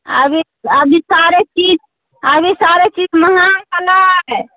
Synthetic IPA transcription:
ə̰bʱi | əbʱisaɾet͡ʃid͡ʒ | abisaɾet͡ʃid͡ʒməɦankəlaɛ

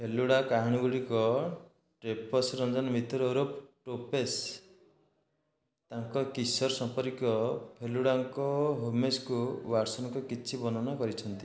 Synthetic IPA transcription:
pʰeluɽakaɦɽ̃iɡuɽikɔ | ʈɾepɔsɾɔnd͡ʒɔnmit̪ʰɔɾeɾopʈopes | t̪aŋkɔkisɔɾsɔmpɔɾkɔpʰeluɽaŋkɔɦomeskuwaɾsɔnɔŋkɔkit͡ʃʰibɔnɔnɔkɔɾit͡ʃʰɔnt̪i̥

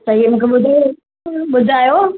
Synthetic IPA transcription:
sɐɦiemũːkʰeɓʊd̪ʱi | ɓʊd̪ʱaːjoː

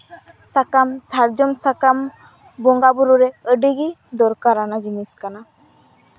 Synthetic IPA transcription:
sakamsaɾd͡ʒɔmsakam | bɔŋɡabuɾuɾɛəɖiɡid̪ɔɾkaɾanad͡ʒiniskana

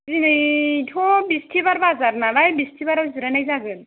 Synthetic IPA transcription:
zinɯjtʰɔbistʰibaɾbazaɾnalajbistʰibaɾawzɯɾanajzaɡɯn

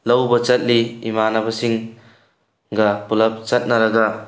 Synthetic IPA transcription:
lɐwbɐt͡ʃɐt̚liimanɐbɐsiŋ | ɡɐpulɐp̚t͡ʃɐt̚nɐɾɐɡɐ

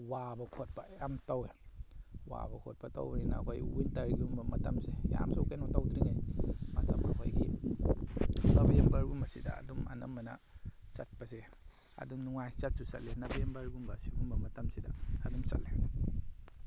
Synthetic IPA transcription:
wabɐkʰot̚pɐjamtawe | wa̰bɐkʰot̚pɐta̰wɾinɐ̰ɦojwintɐɾɡiumbɐmɐtɐmseja̰msowkajnɔtawdɾiŋejmɐtɐmɐɦojɡi | nɐbɐembɐɾɡumbɐsidɐ̰ːdumɐ̰nɐmːɐnɐ̰t͡ʃɐt̚pɐse | ɐ̰dumnuŋajt͡ʃɐt̚susɐ̰tlenɐbɐembaɾɡumbɐsi̥umbɐmɐtɐmsidɐːdumsɐ̰t̚le

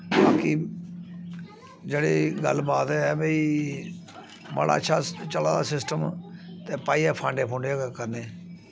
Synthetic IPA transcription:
baːki | d͡ʒeːɽeːɡəlbaːt̪ɛːbeiː | mə̰ɽa̰ːətːʃʰaːt͡ʃəlaːd̪aːsɪsʈəmt̪eːpaːiːɛːpʰãːɳɖẽːpʰõːɳɖekəɾneː

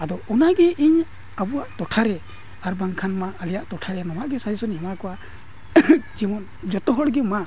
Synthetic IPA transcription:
ad̪ɔɔnaɡɛʔiɲ | abuwaʔt̪ɔʈʰaɾɛ | aɾbaŋkʰanmaəlijaʔt̪ɔʈʰaɾɛnɔmaʔɡɛsad͡ʒisɔnhɛmakɔwa | d͡ʒimɔn | d͡ʒɔt̪ɔɦɔɽɡɛma

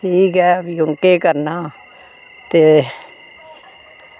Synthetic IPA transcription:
ʈʰiːkɦɛːbjʊŋkeːkəɾnaː | t̪eː

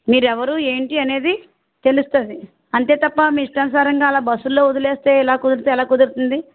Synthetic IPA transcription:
miːɾɛʋɐɾue̞ːɳʈiɐne̞ːd̪i | t̪e̞lust̪ond̪i | ɐnt̪e̞ːt̪ɐpːɐmiːiʂʈɐnsaːɾɐŋɡaːlaːbɐsːulːo̞ːud̪ɐle̞ːst̪eːɛlaːkud̪ɐɾt̪uɛlaːkud̪uɾt̪und̪i

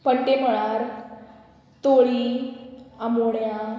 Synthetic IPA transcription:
pəɳʈeməɭaɾ | t̪oɭi | amoɽja

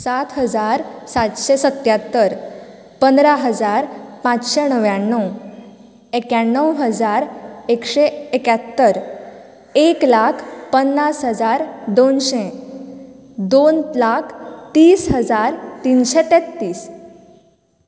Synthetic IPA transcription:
sat̪ʰɦəd͡zaɾsat̪ɕesət̪jat̪ːəɾ | pənd̪ɾaɦəd͡zaɾpãt͡sɕenəʋjaɳːəw | ekjaɳːəwɦəd͡zaɾekɕeekat̪ːəɾ | eklakʰpənːasɦəd͡zaɾd̪onɕe | d̪onlakʰt̪iːsɦəd͡zaɾt̪inɕet̪et̪ːiːs

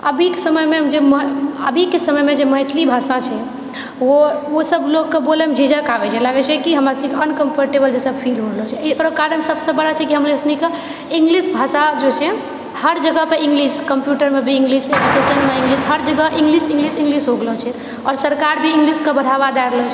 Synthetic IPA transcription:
əbʱikesəməjmed͡ʒeməɦə̰bʱikesəməjmed͡ʒeməɦit̪ʰlibʱasat͡ʃʰɛ | woosəbloɡkːebolɛmd͡ʒʱid͡ʒəkabɛt͡ʃʰɛlaɡɛt͡ʃʰɛkiɦəmɾasənikeənkəmpʰəɾʈebəld͡ʒesəbpʰĩd̪ʱɦoɽlɔt͡ʃʰɛkɾəkaɾənsəbsə̃bəɽat͡ʃʰɛkiɦəmɾesənike | ĩŋɡlisbʱasad͡ʒot͡ʃʰɛ | həɾd͡ʒəɡəpeĩŋɡliskəmpjuʈəɾmebʱĩːŋɡliseɖukesənmeĩŋɡlisɦəɾd͡ʒəɡəʔĩŋɡlisĩŋɡlisĩŋɡlisɦoɡləɦt͡ʃʰɛ | ɔːɾsəɾkaɾbʱiiŋɡliskebəɽ̤abad̪aɾlɔt͡ʃʰɛ

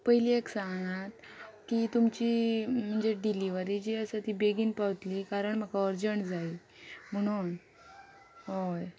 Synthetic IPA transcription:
pəɦilieksaŋɡat̪ | kit̪umt͡ɕiːm̤əɳd͡zeɖiliʋəɾid͡ʑiːəsət̪iːbeɡiːnpaʋt̪liːkaɾəɳm̤əkaəɾd͡ʑəɳʈd͡zai | m̤əɽ̃uːn | ɦoj

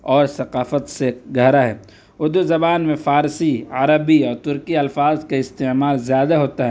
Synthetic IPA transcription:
ɔːɾsɐqaːfət̪seɡʱɐɦɾaɦɛː | ʊd̪uzɐbaːnmẽfaːɾsia̰ɾəbiɔːɾt̪ʊɾkiɐlfaːzkaɪst̪eːmaːlzjaːd̪aɦoːt̪aɦɛː

